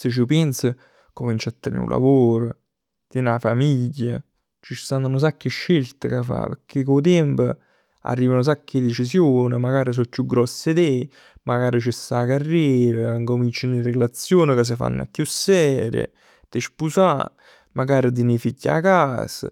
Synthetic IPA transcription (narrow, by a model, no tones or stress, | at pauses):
sɪt͡ʃːupɛnsə | komint͡ʃat̪ːeɾnḛṵla̰voːɾʊ | d̪̥inafamiʎːa | t͡ʃit̪anunos̬akːɪʃːelt̪əkafa̰pəkʰːekot̪̬ɛmpə | a̰rːiːvanos̬akːɪd̪et͡ʃis̬joːnɪmaɡaːɾis̬ɔkːjuɡɾɔsːɪd̪e | maɡaːɾit͡ʃɪsakarːieːɾəŋkomint͡ʃɪnirɪɡlat̪sːjoːnɪkəs̬ɪfa̰nːa̰kːjusːɛːɾə̰ | t̪ɪʃpusa̰ | maɡaːɾɪd̪inifiɟːa̰kaːsə̰